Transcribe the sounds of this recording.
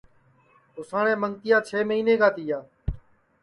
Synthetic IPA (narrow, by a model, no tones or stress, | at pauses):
ʊsãːɳẽːməŋɡt̪ɪjãːt͡ʃʰeːməiːnẽːkaːt̪iːjaː